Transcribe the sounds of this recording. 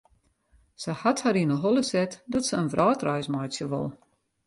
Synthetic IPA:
səhathaɾinəɦɔlˠəsɛtdɔtsəənvrʔɔːtrœjsmajsjəʋo̰lˠ

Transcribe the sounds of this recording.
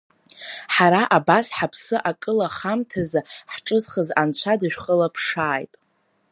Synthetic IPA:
ħaɾaʔabasħapʰsɨʔakʼɨlaχamtʰazaħʈ͡ʂʼɨzχəzant͡ɕʷʰadɨʒᶣχəlapʰʂaːjtʼ

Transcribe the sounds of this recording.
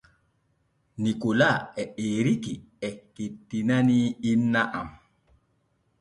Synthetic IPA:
nikolaɛeːɾiki | ɛkedinaniinːaʔam

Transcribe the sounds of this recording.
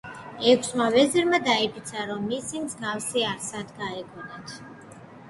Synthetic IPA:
ɛkʷʰsmavɛzɛɾmad̪aipʰit̪sʰaɾɔmːisimzɡafsiaɾsad̪ɡaɛɡɔnɛt̪ʰ

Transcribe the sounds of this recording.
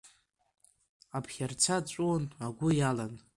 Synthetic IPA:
apʰχʲart͡sʰat͡ʃʷʼunaɡʷʊjalan

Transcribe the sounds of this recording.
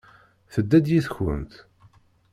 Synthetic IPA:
θəd̪ːæd̪jiθçə̰nt̪

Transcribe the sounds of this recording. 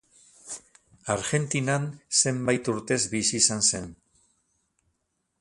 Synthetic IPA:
aɾɣe̞nt̪inanse̞mbajt̪uɾt̪e̞zβisiːsanse̞n

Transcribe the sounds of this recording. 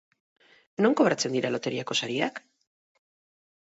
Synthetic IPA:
no̞ŋko̞βɾat͡se̞nd̪iɾalo̞t̪e̞ɾiako̞saɾiak

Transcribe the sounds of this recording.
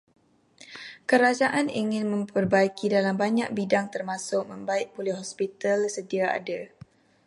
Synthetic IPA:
kəɾad͡ʒaʔaniŋɪnmə̃mpərbaikʰidalambaɲak̚bidaŋt̪ərmãsʊʔ̚mə̃mbaɪʔ̚pulɪhɦɔspit̪alsədiaa̰da

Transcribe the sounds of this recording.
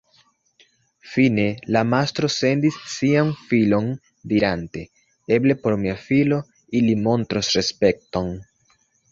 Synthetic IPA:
fine̞lamastɾo̞se̞ndisːianfilo̞n | diɾante̞ | eble̞po̞ɾmiafilo̞ | ilimo̞ntɾosɾe̞spe̞k̚to̞n

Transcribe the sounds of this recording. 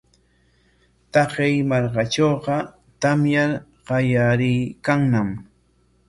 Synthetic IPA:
t̪ɑqɪjmɑɾkaʈ͡ʂoːqɑ | t̪amjaɾ | ɢɑjaɾɪjkaŋnam

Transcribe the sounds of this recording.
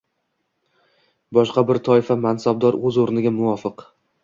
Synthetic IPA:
bɒʃqɑbɪɾt̪ʰɒɪfamansab̚d̪ɒɾɵzoɾnɪɡʲamʊvɒfɪq

